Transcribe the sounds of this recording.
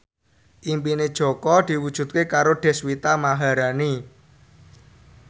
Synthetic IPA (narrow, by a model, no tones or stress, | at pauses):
ʔimpined̥ʒ̥ɔ̤kɔd̪̥i̤wud̥ʒ̥ṳt̪̚kekaɾoɖ̥ɛ̤swit̪amaɦaɾani